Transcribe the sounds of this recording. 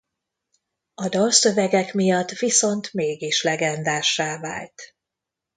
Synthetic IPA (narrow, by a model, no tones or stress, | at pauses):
ɒd̪ɒlsøvɛɡɛkmijɒt̪ːviso̞nt̪meːɡiʃlɛɡɛnd̪aːʃːaːva̰ːlt̪